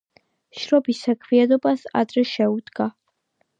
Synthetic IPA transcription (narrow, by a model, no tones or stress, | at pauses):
ʃɾɔbisːakʰwiad̪ɔbasa̰d̪ɾɛʃɛud̪ɡa